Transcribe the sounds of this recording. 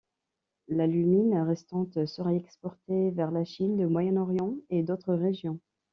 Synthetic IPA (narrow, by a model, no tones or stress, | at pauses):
lalyminʁɛst̪ɑ̃t̪səʁɛɛkspɔʁt̪evɛʁlaʃind̪əmwajɛnɔʁjɑ̃ed̪ot̪χəʁeʒjɔ̃